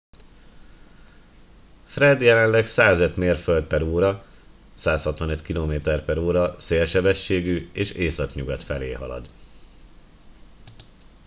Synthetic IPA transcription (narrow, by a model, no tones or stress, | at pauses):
frɛd̪jɛlɛnlɛɡsaːzøt̪meːrføld̪̚pɛɾuːɾɒ | saːshɒt̪ʋɒnøt̪kiloːmeːt̪ɛrpɛɾuːɾɒseːlʃɛbɛʃːeːɡyeːʃeːsɒkɲuɡɒt̪fɛlḛːɦɒ̰lɒ̰d̪